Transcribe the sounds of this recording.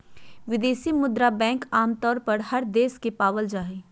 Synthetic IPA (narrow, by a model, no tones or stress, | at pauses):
ʋɪd̪eːʃimʊd̪ɾabɛ̃ːŋkaːmt̪ɔːɾpɐɾhɐɾd̪eːskepaːʋəld͡ʒaːɦeː